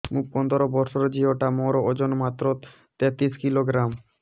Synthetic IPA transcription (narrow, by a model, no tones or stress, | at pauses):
muk̚pɔnd̪ʱoɾobɔɾʃoɾd͡ʑioʈamɔɾood͡ʑonmat̪ːɾot̪ | t̪ɛt̪iskiloɡɾam